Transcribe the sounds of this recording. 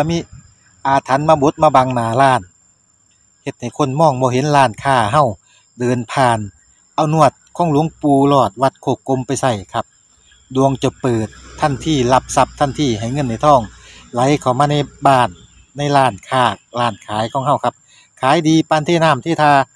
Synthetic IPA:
a˧miː˧˨ | ʔaː˨˧˩t̪ʰːa˧˦˥nmaː˧bo˧˦t̪̚maː˧ba˧ŋnaː˨˩laː˧˩n | he˧t̪̚ha˨˩jkʰo˧˥˨nmɔː˧˨ŋbɔː˧ɦe˧˦nlaː˧˩nkʰaː˧˩ɦa˧˨w | dɤː˧npʰaː˧n | ʔa˧˩wnu˧˨ət̪̚kʰɔː˧˥ŋlu˧˦əŋpuː˧lɔː˧˩t̪̚wa˧˩t̪̚kʰoː˧˩ko˧˥˨mpa˧˨jsa˧˩jkʰa˧p̚ | du˧əŋt͡ɕɔ˧˩pɤː˨˩t̪ʰːa˧˥˩nt̪ʰiː˧˩la˧p̚sa˧˦p̚t̪ʰa˧˥˨nt̪ʰiː˧˩ɦa˨˩jŋɤ˧˥˨nːa˧˩jt̪ʰɔː˧˩ŋla˨˧˦jkʰa˨˩wmaː˧na˧˩jbaː˧˩nː | a˧˥˨jlaː˧˩nkʰaː˧˩laː˧˩nkʰaː˨˦jkʰɔː˧˦ŋɦa˧˩wkʰa˧p̚ | kʰaː˨˦jdiː˧paː˧nt̪ʰeː˧˨naː˧˥˨mt̪ʰeː˧t̪ʰaː˧

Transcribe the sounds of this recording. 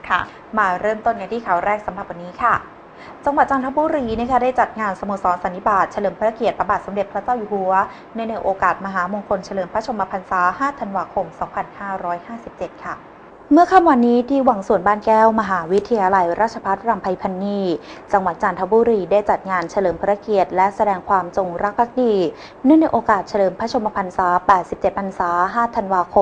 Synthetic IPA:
kʰ | maː˧ɾɤː˥˩mt̪o˥˩nja˧ŋt̪ʰiː˥˩kʰa˨˩˦wɾɛː˥˩k̚sa˨˩˦mɾa˨˩p̚wa˧nːiː˦˥kʰa˥˩ | t͡ɕa˧ŋwa˨˩t̪̚t͡ɕaː˧nt̪ʰa˦˥buː˧˦ɾiː˧na˥˩kʰa˦˥daː˥˩jt͡ɕa˨˩t̪̚ŋaː˧nsa˧mu˧˨˩sɔː˨˦nsa˨˦nt̪ʰi˦˥˩baː˨˩t̪̚t͡ɕʰa˧lɤː˨˩˦mpʰa˧˥ɾa˥˧ki˨˩ət̪̚pɾa˧baː˨˩t̪̚so˩˦mde˨˩pʰɾa˦˥t͡ɕaː˥˩wjuː˧˩hu˩˦ɐ | na˧˥˩na˧jʔoː˧kaː˨˩t̪̚ma˧ɦaː˩˦mo˧ŋkʰo˧nt͡ɕʰa˧lɤː˨˩˦mpʰɾa˦˥t͡ɕʰo˧maː˧pʰa˧nsaː˩˦haː˥˩t̪ʰa˧nwaː˧kʰo˧msɔː˩˦ŋpʰa˧nhaː˥˩ɾɔː˦˥jhaː˥˩si˨˩p̚t͡ɕe˨˩t̪̚kʰa˥˩ | mɯ˥˩ɐkʰa˥˩mwa˧nːiː˦˥t̪ʰiː˥˩wa˩˦ŋsu˨˩ənbaː˥˩nkɛː˥˩wma˧ɦaː˩˦wi˦˥t̪ʰːa˧jaː˧la˧jɾaː˥˩t̪̚t͡ɕʰa˧pʰa˦˥t̪̚ɾa˧mpʰa˧jpʰa˧nːiː˧t͡ɕa˧ŋwa˨˩t̪̚t͡ɕaː˧nt̪ʰa˦˥buː˧ɾiː˧daː˥˩jt͡ɕa˨˩t̪̚ŋaː˧nt͡ɕʰa˧lɤː˨˩mpʰɯ˧˥ɾa˧ki˨˩ət̪̚lɛ˦˥sa˧dɛː˧ŋkʰwaː˧mt͡ɕo˧ŋɾa˦˥k̚pʰːa˦˥k̚diː˧ | nɯ˥˩ŋna˧jʔoː˧kaː˨˩t̪̚t͡ɕʰa˧lɤː˨˩mpʰɾa˦˥t͡ɕʰo˧ma˧pʰa˧nsaː˩˦˥pɛː˨˩t̪̚si˨˩p̚t͡ɕe˨˩t̪̚pʰa˧nsaː˩˦ɦaː˥˩t̪ʰa˧nwaː˧kʰo˧m

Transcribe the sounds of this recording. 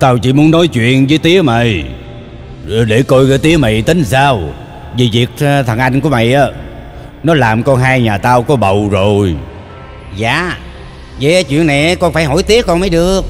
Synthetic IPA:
t̪aː˧wt͡ɕḭ˧˥mu˨˦ənːɔ˨˦jt͡ɕwḭ˧˨ənvəː˨˦jt̪i˨˦əmə̰˨j | ɗe˧˩ko˧jkaː˨˦jt̪i˨˦əma̰˨jt̪i˨˦ŋsaː˧w | vi˨˩vi˨˩ək̚t̪ʰə˨˩ŋʔa˧jŋ̟ku˧˥əma̰˧˨jʔaː˨˦ | nɔ˨˦laː˨˩mkɔ˧nɦaː˧jɲaː˨˩t̪aː˧wkɔ˨˦ɓə˨˩wzo˨˩j | za̰ː˧˨ | zə˨˦ʔaː˨˦jt͡ɕwḭ˧˨ənːa˨˩jʔaː˨˦kɔ˧nfaː˧˩jhɦɔ˧˩˦jt̪i˦˥əkːɔ˧nməː˨˦jɗɨ˨˩ək̚

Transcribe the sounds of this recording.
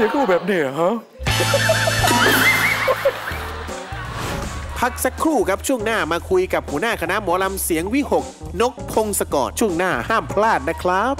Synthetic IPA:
i˧˦kʰuː˥˩bɛː˨˩p̚ni˦˧˩ɦa˦˥ | pʰa˦˥k̚sa˦˥kʰːɾuː˥˩kʰɾa˦˥p̚t͡ɕʰu˥˩əŋnaː˥˩maː˧kʰu˧jka˨˩p̚huː˩˦naː˥˩kʰa˧na˦˥ʔmuː˩˦la˧msi˩˦əŋwi˦˥˩ho˨˩k̚ | no˦˥k̚pʰo˧ŋsa˧kɔ̰ː˨˩t̪̚t͡ɕʰu˥˩əŋnaː˥˩haː˥˩mpʰlaː˥˩t̪̚na˦˥kʰɾa˦˥p̚

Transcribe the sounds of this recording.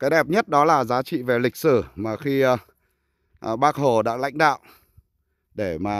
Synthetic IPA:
kaː˨˦jɗɛ˨˩p̚ɲə˦˥t̚ɗɔ˨˦laː˨˩zaː˨˦t͡ɕḭ˧˨ve˨˩lï˨˩k̚sɨ˧˩maː˨˩xi˧ | ɓaː˦˥k̚ho˨˩ɗa̰ː˧˥la̰˧˥jŋ̟ɗa̰ː˧˨wʔ | ɗe˧˩maː˨˩

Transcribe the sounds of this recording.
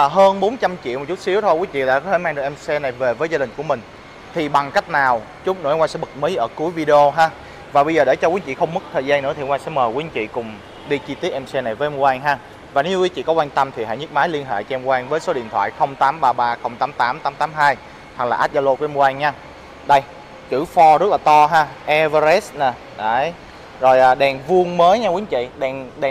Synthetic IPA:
ɦəː˧nɓo˨˦nt͡ɕa˧mt͡ɕḭ˧˨wm˨˩t̚t͡ɕu˦˥t̚si˨˦əwt̪ʰo˧jkwi˨˦t͡ɕḭ˧˨ɗa̰ː˧˥kɔ˨˦t̪əː˧˩˦maː˧nɗɨ˨˩ŋʔɛ˧msɛ˧na˨˩jve˨˩vəː˨˦jzaː˧ɗï˨˩ŋ̟ku˧˩əmï˨˩ŋ̟ | t̪ʰi˨˩ɓa˨˩ŋka˦˥jk̚naː˨˩w | t͡ɕʊ˦˥ŋ͡m̚no̰˨˧˨ŋwaː˧sɛ̰˧˥ɓɨ˨˩k̚mə˨˦jʔəː˧˩ku˨˦əjvi˧ɗe˧o˧ɦaː˨˧ | vaː˨˩ɓə˧jzəː˨˩ɗe˧˩t͡ɕɔ˧kwi˨˦ənt͡ɕḭ˧˨xə˧wŋ͡mmɨ˦˥k̚t̪ʰəː˨˩zaː˧nɨ̰˧˥t̪ʰi˨˩˨ŋwaː˧ŋsɛ̰˧˥məː˨˩kwi˨˦ənt͡ɕḭ˧˨kʊ˨˩ŋ͡m | ɗi˧t͡ɕi˧t̪i˦˥ət̚ʔɛ˧msɛ˧na˨˩jvəː˨˦ʔɛ˧mkwaː˧ŋɦaː˧ | vaː˨˩ne˨˦ɲ˧wi˨˦t͡ɕḭ˧˨kɔ˨˦˥kwaː˧ŋt̪ə˧mt̪ʰi˨˩ɦa̰˧˨ɲɨ˦˥k̚maː˨˦jli˧ənɦḛ˧˨t͡ɕɔ˧ʔɛ˧mkwaː˧nvəː˨˦jso˨˦ɗḭ˧˨ənt̪ʰwa̰ː˧˨jxə˧wŋ͡mt̪aː˨˦mɓaː˧ɓaː˧xə˧wŋ͡mt̪aː˨˦mt̪aː˨˦mt̪aː˨˦mt̪aː˨˦mɦaː˧j | ha˨˩laː˨ʔaː˦˥t̚za˧lo˧ku˧˩˦ʔɛ˧mkwaː˧nɲa˧ | ɗə˧j | t͡ɕɨ˧˩fɔ˧zə˦˥t̚laː˨˩t̪ɔ˧ɦaː˧ʔɛ˧vaː˧zɛ˦˥sna˨˩ | ɗə˨˦j | zo˨˩jʔaː˨˩ɗɛ˨˩nvu˧əŋməː˨˦jɲa˧kwi˨˦ə˦ŋt͡ɕḭ˧˨ɗɛ˨˩nɗɛ˨˩

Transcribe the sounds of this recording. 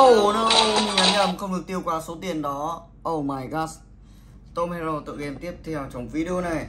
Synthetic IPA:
ʔo˨˩nə˨˦ʔɲɨ˧˩˨ŋa˨˦jɲa˧˩mxə˧wŋ͡mɗɨ˨˩ək̪̚i˧əwkwaː˧˩so˨˦t̪i˨˩ənɗɔ˨˦ | ʔə˧˩wmaː˧˩jɣaː˦˥s | t̪o˧mɛ˧zo˧t̪ɨ̰˧˨ʔɛ˧mt̪i˦˥əp̚t̪ʰɛ˧wt͡ɕə˨˦wŋ͡mvi˧˦ɗi˧o˧na˨˩j

